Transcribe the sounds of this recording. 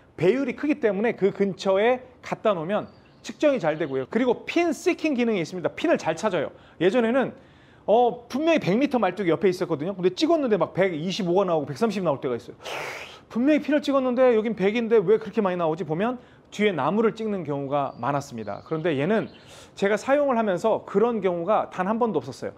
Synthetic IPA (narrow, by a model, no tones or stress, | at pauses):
pe̞juɾikʰɯɡit͈e̞mune̞kɯkɯnt͡ɕʰʌe̞kat̚t͈anomjʌn | t͡ɕʰɯk̚t͡ɕ͈ʌŋit͡ɕaɭdwe̞ɡojokɯɾiɡopʰins͈ikʰiŋɡinɯŋiːs͈ɯmɲidapʰinɯɭt͡ɕaɭt͡ɕʰad͡ʑʌjo̰ | je̞d͡ʑʌne̞nɯn | ʌpumjʌŋipe̞ŋmitʰʌmaɭt͈uɡijʌpʰe̞is͈ʌtk͈ʌdɯɲokɯnd̥et͡ɕ͈iɡʌnːɯndemak̚pe̞ɡiɕʰiboɡanaoɡope̞k̚s͈amɕʰibnaoɭt͈e̞ɣais͈ʌjopummjʌŋipʰinɯɭt͡ɕ͈iɡʌnːɯnde̞jʌɡimpe̞ɡinde̞we̞kɯɾʌkʰemaɲinaod͡ʑipomjʌn | tɥie̞namuɾɯɭt͡ɕ͈iŋnɯnkjʌŋuɡama̰nas͈ɯmɲida̰kɯɾʌnde̞je̞nɯn | t͡ɕe̞ɡasʰajoŋɯɭhamjʌnsʰʌkɯɾʌnkjʌŋuɡatanɦanbʌndoʌp̚s͈ʌs͈ʌjo̰